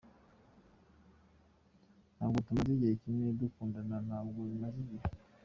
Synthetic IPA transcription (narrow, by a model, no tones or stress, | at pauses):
naŋɡutumaziɡekinedukundananaŋɡonimaziɡe